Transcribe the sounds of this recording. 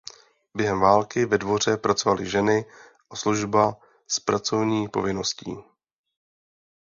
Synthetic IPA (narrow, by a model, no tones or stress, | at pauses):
bjɛɦɛmvaːlkɪvɛdvo̞r̝ɛpɾat͡so̞valɪʒɛnɪ | ʔasluʒba | spɾat͡so̞vɲiːpo̞̰vɪno̞scḭː